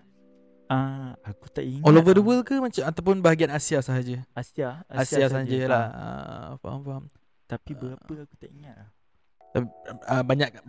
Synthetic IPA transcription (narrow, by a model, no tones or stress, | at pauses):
aakut̪aʔiŋɔlovədwəlkəmat͡ʃamat̪awpʊnbaɦaɡianasiasaɦad͡ʒəasiaaasiasaɦad͡ʒəlaə̰fa̰ha̰mfaam | t̪apibəɾaəakut̪aʔiŋat̪̚lah | t̪aiəbaɲak